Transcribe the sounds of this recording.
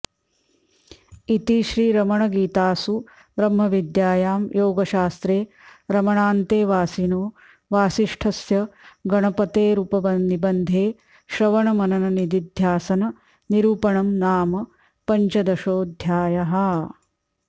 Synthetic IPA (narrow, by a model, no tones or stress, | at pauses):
it̪iʃɾiːɾɐmɐɳɐɡiːt̪aːsu | bɾɐmɦɐʋid̪jaːjaːmjoːɡɐʃaːst̪ɾeː | ɾɐmɐɳaːnt̪eːʋaːsiːnoː | ʋaːsiʂʈʰɐsjɐɡɐɳɐpɐt̪eːɾupɐbɐnnibɐnd̪ʱeː | ʃɾɐʋɐɳɐmɐnɐnɐnid̪id̪ʱjaːsɐnɐ | niɾuːpɐɳɐmnaːmɐ | pɐɲt͡ʃɐd̪ɐʃoːd̪ʱjaːjɐɦɐ